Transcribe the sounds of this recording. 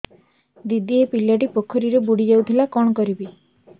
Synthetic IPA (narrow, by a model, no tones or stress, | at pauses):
d̪id̪iepiljaʈipokʰɔɾiɾebuɽid͡ʒawt̪ʰilakɔɽ̃ɔkɔɾibi